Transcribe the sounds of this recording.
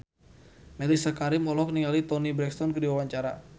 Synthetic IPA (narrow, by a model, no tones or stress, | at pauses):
mɛlisakaɾɪmɔlɔk̚niŋalit̪ɔnibɾɛkst̪ɔnkədiwawaɲt͡ʃaɾa